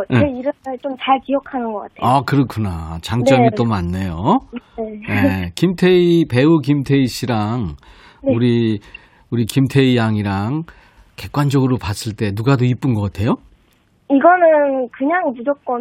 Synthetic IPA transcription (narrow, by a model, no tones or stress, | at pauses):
eiɾɯɯɭt͡ɕomt͡ɕaɭkijʌkʰanɯnɡʌk͈a̰tʰeakɯɾʌkʰunat͡ɕaŋt͡ɕ͈ʌmit͈omanːejoenekimtʰe̞ipe̞ukimtʰe̞iɕ͈ʰiɾaŋ | neuɾi | uɾikimtʰe̞ijaŋiɾaŋ | ke̞k̚k͈wand͡ʑʌɡɯɾopas͈ʰɯɭt͈e̞nuɡadoip͈ɯnɡʌk͈atʰe̞jo | iɡʌnɯnkɯɲaŋmud͡ʑʌk̚k͈ʌn